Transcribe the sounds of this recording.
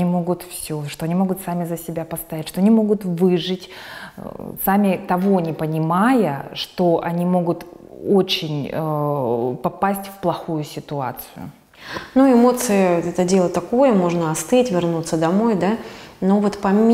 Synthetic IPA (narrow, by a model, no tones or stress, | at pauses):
imo̞ɡʊt̪fsʲoʂt̪o̞ɐnʲimo̞ɡʊt̪samʲɪzəsʲɪbʲapɐst̪ajɛtʲʂt̪o̞ɐnʲimo̞ɡʊt̪vɨʐɨtʲ | samʲɪt̪ɐvo̞nʲɪpənʲɪmajəʂt̪o̞ʔɐnʲimo̞ɡʊt̪o̞t͡ɕɪnʲə | pɐpasʲtʲfplˠɐxujʊsʲɪt̪ʊa̰t̪sɨjʊ̰ | nuɪmo̞t̪sɨjɪɛt̪ədʲe̞lˠət̪ɐkojəmo̞ʐnəɐst̪ɨtʲvʲɪrnut̪səd̪ɐmo̞jd̪anovot̪pɐ